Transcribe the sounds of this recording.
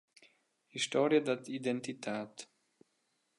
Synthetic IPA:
hiʃtɔːɾjəd̪at̪idɛnt̪itʰaːt̪

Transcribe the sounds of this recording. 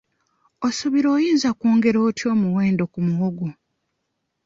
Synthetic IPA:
osuβiɾo̞ːjiːnzakuːŋɡe̞ɾo̞ːtjo̞ːmuwe̞ːndo̞kumuwoɡu

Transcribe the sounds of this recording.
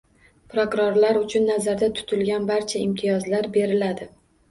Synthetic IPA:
pɾokʊɾoɾlaɾʊt͡ʃʰʊnːazaɾd̪at̪ʰʊ̥t̪ʰɪlɡʲanbaɾt͡ʃʰaɪmt̪ʰɪjɒzlaɾbe̞ɾɪlad̪ɪ

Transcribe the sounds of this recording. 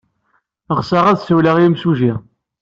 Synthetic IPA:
ʁsaʁæðsəwləʁjmsuʒi

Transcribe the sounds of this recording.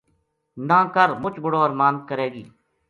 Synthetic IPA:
nãːkəɾmʊt͡ʃbəɽoːəɾmaːnkəɾeːɡiː

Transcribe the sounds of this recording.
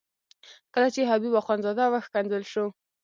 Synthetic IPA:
kəlat͡ʃeɦabibaxwanzɑd̪awaxkand̪əlʃo

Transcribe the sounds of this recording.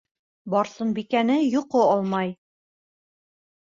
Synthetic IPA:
bɒɾsɤnbikænɘjŭqoɒlˠmɑj

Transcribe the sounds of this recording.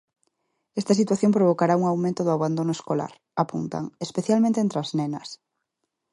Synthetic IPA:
est̪ɐs̬it̪waθjõmpɾoβ̞okaɾauŋawmẽnt̪ʊðʊaβand̪onʊeskola̰ɾ | apunt̪a̰ŋespeθjalmẽnt̪ent̪ɾaznenɐs

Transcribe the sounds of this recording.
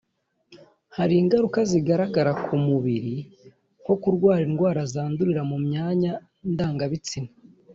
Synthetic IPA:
haɾiːŋɡaɾukaziɡaɾaɡaɾakʰumuβiɾi | ko̞kuɾɡwaːɾinɡwaːɾazaːnduɾiɾamumɲaːɲa | ndaːŋɡaβit͡sina

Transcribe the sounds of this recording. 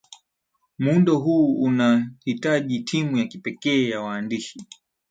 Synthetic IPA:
mundɔɦuːunahitaʄitʰimujakipɛkɛːjawaːndiʃi

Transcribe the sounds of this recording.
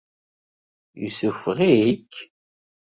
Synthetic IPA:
jṵsufʁiikː

